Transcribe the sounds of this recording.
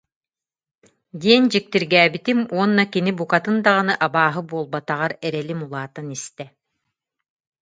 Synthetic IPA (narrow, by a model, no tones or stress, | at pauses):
d̪iɛnd͡ʑik̚t̪iɾɡæːbit̪imuɔnːakinibukat̪ɯnd̪aʁanɯʔabaːɦɯbuɔlˠbat̪aʁaɾɛɾɛlimulˠaːt̪anist̪ɛ